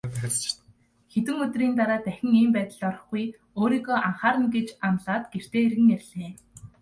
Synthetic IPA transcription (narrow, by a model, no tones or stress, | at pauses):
at͡ɕt̪ | xet̪wɘ̆ŋɵt̪riːnt̪aɾaːt̪æxʲɪ̆ŋiːmpæːt̪ə̆ɮɔɾɞ̆χɡuj | oːɾiːɣɔːʔaɴχaːɾə̆nɡet͡ɕamɮaːt̪ɡ̥er̥t̪eːerɣɘ̆ŋær̆ʲɮeː